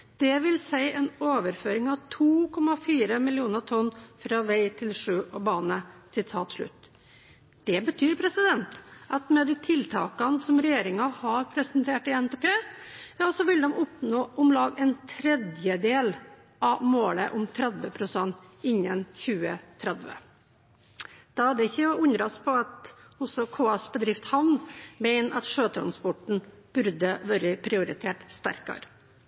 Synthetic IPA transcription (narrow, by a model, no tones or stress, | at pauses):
d̪̥ɛʋɪlsæɪʔɛnoːʋəɾføːɾɪŋɑʋt̪ʰuːkʰɔmɑfiːɾəmɪlɪuːnət̪ʰɔnfɾɑːʋæɪt̪ʰɪlʂʉːʔɔbɑːnəsɪt̪ʰɑːt̪ʂɭʉ̰t̪ː | d̪̥ɛbət̪ʰyːɾpʰɾɛsɪd̪ɛnt̪ʔɑt̪mɛd̪iːt̪ʰɪlt̪ʰɑ̰ːkɑnsɔmɾɛjeːɾɪŋɑhɑɾpʰɾɛsənt̪ʰeːʈɪɛnt̪eːpʰeːjɑːsɔʋɪld̪ɛmʔʊpnoːʔʊmlɑːɡɛnt̪ʰɾɛd̪jəd̪eːl | ʔɑʋmoːləʔʊmt̪ʰɾɛd̪ʋəpʰɾʊsɛnːt̪ɪɲːənçʉːət̪ʰɾɛd̪ʋə̰ | d̪̥ɑæɖɛɪçːəʉnd̪ɾɑspʰɔɑt̪ɔsɔkʰuːɑsbəd̪ɾɪft̪hɑʋnbɛɪnɑ̰t̪ʂøːt̪ʰɾɑ̰nspɔʈɳ̩ | b̥ʉɾd̪əʋœːɾəpʰɾɪʊɾɪt̪ʰeːʈst̪æ̰ɾkɑ̰ɾ